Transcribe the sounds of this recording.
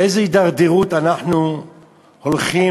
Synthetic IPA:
ejzeid̪aʁd̪iʁut̪anaħnu | holχi

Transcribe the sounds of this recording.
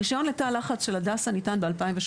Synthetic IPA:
iʃajo̞nletalaχat͡sʃe̞ladashanitanbe̞alpaimveʃ

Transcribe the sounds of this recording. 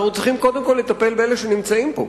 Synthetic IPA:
χut͡siχimko̞d̪emko̞lːe̞t̪ape̞lbeeleʃenimt͡saimpo̞̰

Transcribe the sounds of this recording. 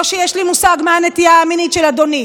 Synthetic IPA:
ʃejeʃlimusaɡmeanet̪ijaːminitʃelad̪oni

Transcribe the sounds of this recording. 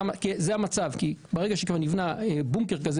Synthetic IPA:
akizeamat͡savkibeʁeɡaʃekvaʁnivnaebuŋkeʁkaze

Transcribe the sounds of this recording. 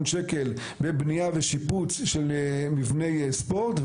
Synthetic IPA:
nʃeke̞l | bebnijaveʃiput͡sʃelmivne̞jspo̞ʁt̪v

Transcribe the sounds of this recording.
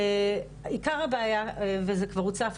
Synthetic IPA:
ikaʁhabaːjavezekvaʁut͡saf

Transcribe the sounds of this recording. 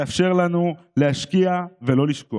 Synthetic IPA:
afʃe̞ʁlanu | lehaʃkiave̞lo̞liʃko

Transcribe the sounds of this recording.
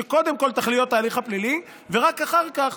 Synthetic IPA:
eko̞d̪e̞mko̞lt̪aχlijot̪ːaːliχhaplili | veʁakaχaʁkaχ

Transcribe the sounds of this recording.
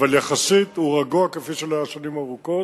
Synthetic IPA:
valjaχasit̪huʁaɡuakefiʃelaːʃonimaʁuko̞

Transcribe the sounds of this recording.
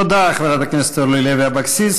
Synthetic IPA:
od̪aːχveɾat̪aknɛst̪olujleveabaksis

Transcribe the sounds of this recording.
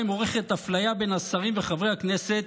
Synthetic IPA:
imo̞ʁeχet̪aflajabe̞nhasaʁimveχavʁejhakne̞se̞t̪

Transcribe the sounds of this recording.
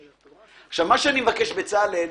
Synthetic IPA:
aχʃavmaʃeanimevakeʃbet͡sale

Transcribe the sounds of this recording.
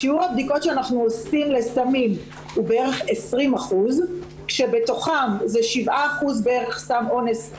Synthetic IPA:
ʃiuʁhab̚diko̞tʃeanaχnuosimle̞samim | hubeeʁe̞χesʁimaχuz | kʃe̞be̞to̞χamzeʃivʔaːχuzbeeʁe̞χsamʔo̞ne̞s

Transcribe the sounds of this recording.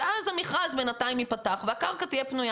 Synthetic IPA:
alezemiχazbenatajimipat̪aχveakaʁkat̪ijepnuja

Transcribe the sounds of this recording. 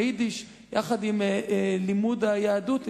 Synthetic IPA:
id̪iʃ | jaχad̪imlimud̪ajaːdut

